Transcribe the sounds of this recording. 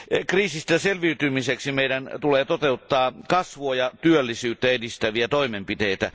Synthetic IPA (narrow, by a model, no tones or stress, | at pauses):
kriːsist̪æselʋiyt̪ymiseksimeijdænt̪uleːt̪ot̪eut̪ːɑːkɑsʋoːjɑt̪yølːisyːt̪ːæedist̪æʋiæt̪oimempit̪eit̪æ